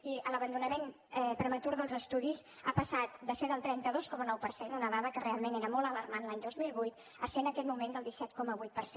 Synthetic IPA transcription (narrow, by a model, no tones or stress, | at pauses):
iələβənd̪unəmen | ɛpɾəmət̪uɾðəlˠzəst̪uðiz | apəsat̪̚d̪əseðəlˠt̪ɾɛnt̪əðoskɔmənɔwpəɾsenunəβaβəkərealˠmeneɾəmɔlˠələrmanlaɲd̪ozmilˠβujt̪ | əsenəkɛt̪mumẽnd̪əlˠd̪isɛt̪̚kɔməβujt̪̚pəɾse